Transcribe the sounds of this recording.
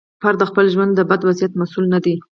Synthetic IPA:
pɑɾad̪əxpəlʒwand̪ːəbad̪wazijat̪masulnad̪i

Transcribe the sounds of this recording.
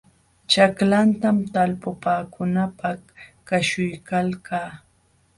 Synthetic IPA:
t͡ʃaklant̪amt̪alpʊpaːkʊnapahkaʃʊjkalkaː

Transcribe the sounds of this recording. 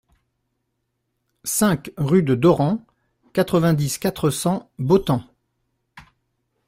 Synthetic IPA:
sɛ̃kʁyd̪əd̪ɔʁɑ̃ | kat̪χəvɛ̃d̪iskat̪χəsɑ̃bot̪ɑ̃

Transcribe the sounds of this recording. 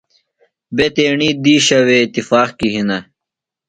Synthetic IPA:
bet̪eːɳiːd̪iːɕɐweit̪ifaːxkiɦinɐ

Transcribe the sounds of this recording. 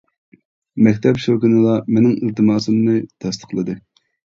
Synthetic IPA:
mɛkʲt̪ʰɛpʃokinɨlˠɑmenɪŋilt̪ɨmɑːsɨmnɨt̪ʰɛst̪ʰə̥χqlˠɨd̪ɨ

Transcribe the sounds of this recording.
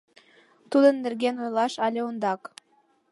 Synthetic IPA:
t̪ud̪ə̆nːɘ̆rɡenojlˠɑʃɑlʲeond̪ɑk

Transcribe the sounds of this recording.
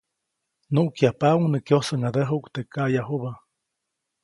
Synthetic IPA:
nuʔkjapauŋnɨkjosəŋad̪əɦukt̪ekajaɦuba

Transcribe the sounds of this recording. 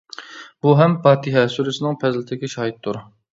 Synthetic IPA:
buɦɛmpɑːt̪ʰiɦɛsyɾɪsɪnɪŋpʰɛzlɪt̪ʰɪkʲɛʃɑːɦit̪ʰːuɾ

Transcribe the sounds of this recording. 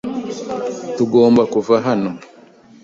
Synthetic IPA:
tuɡo̞ːmbakuvaɦano

